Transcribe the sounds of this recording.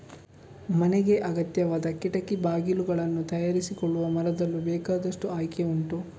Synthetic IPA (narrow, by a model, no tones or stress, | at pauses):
mɐneɡe̞ʔɐɡɐt̪jɐʋaːd̪ɐkiʈɐkibaːɡiluɡɐɭɐnːut̪ɐjaːɾisikɔɭːuʋɐmɐɾɐd̪ɐlːubɛːkaːd̪ɐʂʈuaːjkeuɳʈu